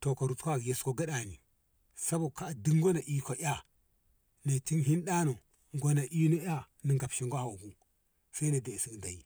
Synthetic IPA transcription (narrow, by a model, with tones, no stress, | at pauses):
to˨ko˨ɾu˨tkʷa˦˨je˨sko˦˨ɡa˦ɗa˨ni˨ | sa˦bo˨ka˦˨di˦ŋ˦ɡo˦na˨ʔi˦ka˨ja˦ | na˨ti˦nɦi˦n˦ɗa˦no˨ | ŋɡo˦na˨ʔi˦no˦ja˦ | ni˨ŋɡa˨pʃi˨ŋɡʷa˦ha˨ɡu˦ | sa˦i˦na˨de˨si˦kda˨ji˨